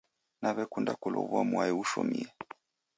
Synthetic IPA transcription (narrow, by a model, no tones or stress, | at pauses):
naβɛkundakulɔ̰βuamwaɛuʃɔ̰miɛ